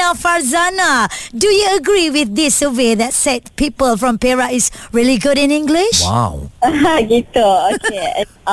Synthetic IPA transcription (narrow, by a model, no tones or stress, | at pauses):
aʊfaɹzanadujuəɡɹiwɪθdɪsəweðɛt̚sɛt̚pipəlfɹɔ̃mpɛɹaɪsɹiliɡuɾɪ̃nĩŋɡliʃa̰waɡitooke